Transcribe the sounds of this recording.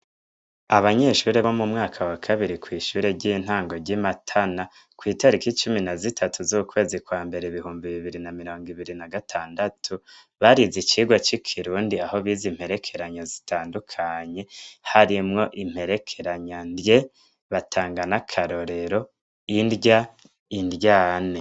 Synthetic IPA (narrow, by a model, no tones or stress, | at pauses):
aβaɲe̞ʃuːɾeβo̞mumŋaːkʰawakʰaβiɾikwiːʃuːɾeɟiːn̥haːŋɡo̞ɾɟimatʰana | kwiːtaɾikit͡ʃuminazitʰatuzuukwe̞ːzikwaːmbe̞ɾe̞iβihuːmbiβiβiɾinamiɾo̞ːŋɡiβiɾinaɡatʰaːndatʰu | βaɾizit͡ʃiːɡwat͡ʃikʰiɾuːndiaho̞βiːzim̥he̞ɾe̞kʰe̞ɾaɲozitʰaːndukʰaɲe̞haɾimŋo̞ʔim̥he̞ɾe̞kʰe̞ɾaɲandje̞ | βatʰaːŋɡanakʰaɾo̞ɾe̞ɾo̞ | indja | indjaːne̞